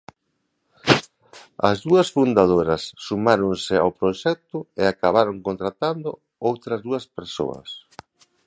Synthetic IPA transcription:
ɐ̰zðuɐsfund̪að̞oɾɐsːumaɾoŋsɪa̰wpɾoʃɛk̚t̪ʊeakaβaɾoŋkõnt̪ɾat̪and̪ʊ̰ | owt̪ɾɐzðuɐspeɾso̰ɐ̰s

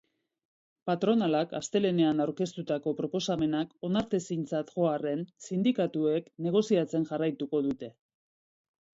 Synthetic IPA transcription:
pat̪ɾo̞nalaka̰st̪e̞le̞ne̞anawɾke̞st̪ut̪ako̞pɾo̞po̞same̞nako̞naɾt̪e̞sint͡sat̪ʝo̞are̞nsind̪ikat̪ue̞kne̞ɣ̞o̞siat͡se̞nʝarajt̪uko̞ðut̪e̞

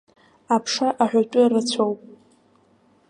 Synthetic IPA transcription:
apʰʂaʔaħʷᶣatʼʊrɨt͡sʷʰowpʼ

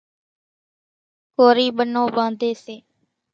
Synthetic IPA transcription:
koːɾiːɓənõːbãːnd̪ʱeːseː

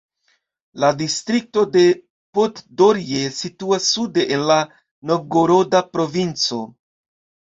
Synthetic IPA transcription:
ladistɾik̚to̞de̞ | potdoɾie̞situasːude̞ʔenla | no̞ɡoɾo̞dapɾo̞vint͡so̞

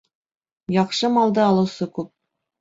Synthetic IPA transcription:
jɑqʃɤmɑlˠd̪ɤːlˠɤ̆wsɤkʉp̚

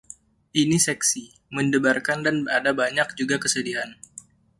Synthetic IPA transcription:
ʔinisɛksi | məndəbarkandanadabaɲak̚d͡ʒuɡakəsədiɦan

